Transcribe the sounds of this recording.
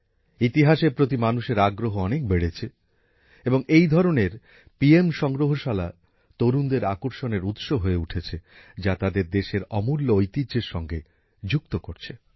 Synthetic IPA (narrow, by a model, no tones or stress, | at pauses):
it̪iɦaʃepɾot̪imanuʃeɾaɡɾoɦoɔnek̚beɽet͡ɕʰe | eboŋejd̪ʱɔɾoneɾ | piemʃɔŋɡɾoɦoʃala | t̪oɾund̪eɾakoɾʃoneɾut̪ʃoɦoeuʈʰet͡ɕʰed͡ʑat̪ad̪eɾd̪eʃeɾɔmulːoojt̪id͡ʑeɾʃɔŋɡe | d͡ʑuk̚t̪okoɾt͡ɕʰe